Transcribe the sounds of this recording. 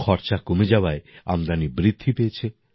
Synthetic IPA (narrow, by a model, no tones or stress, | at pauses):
kʰɔɾt͡ʃakomed͡ʑawaea̰md̪anibɾid̪ʱːipejet͡ɕʰe